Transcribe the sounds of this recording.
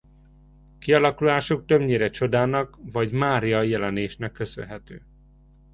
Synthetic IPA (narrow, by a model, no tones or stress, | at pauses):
kiɒlɒkulaːʃuk̚t̪øbɲeːɾɛt͡ʃo̞d̪aːnɒkvɒɟmaːɾijɒjɛlɛneːʃnɛkːø̞sø̰nɦɛt̪øː